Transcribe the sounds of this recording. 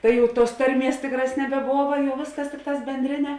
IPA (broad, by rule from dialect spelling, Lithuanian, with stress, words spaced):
ˈtɐɪ jɛʊ tuɔs ˈtɐrʲˌmʲiɛs ˈtʲɪkˌrɑːs nʲɛbʲɛˈboːʋɐ ˈʋʲeːsˌkɐs ˈtʲɪkˌtɑːs bʲɛnʲˈdʲrʲɪnʲɛ